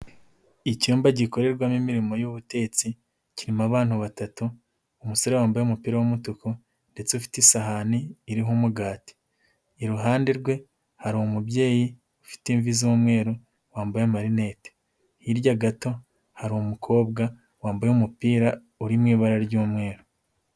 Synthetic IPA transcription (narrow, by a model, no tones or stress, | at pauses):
icuːmbaɟiko̞ɾe̞ɾɡwamimiɾimo̞juβute̞t͡si | ciɾimaβaːn̥huβatatuː | muso̞ɾe̞waːmbajumupiːɾawumutuko | nde̞t͡seufi̥tisaɦaniːɾiɦumuɡaːti̥ː | ɾuɦaːndeɾɡwe̞ | haɾihomubɟe̞ːji | ufi̥tiːɱvizuːmŋe̞ːɾo | waːmbajemaɾine̞te̥ | hiɾɟaɡato̞ | haɾihomukʰo̞ːbɡa | waːmbajumupiːɾa | uɾimŋiːβaɾaɾɟuːmŋe̞ːɾo